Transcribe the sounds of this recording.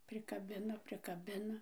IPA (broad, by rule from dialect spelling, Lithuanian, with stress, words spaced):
pʲrʲɪkɐˈbʲɪnɐ pʲrʲɪkɐˈbʲɪnɐ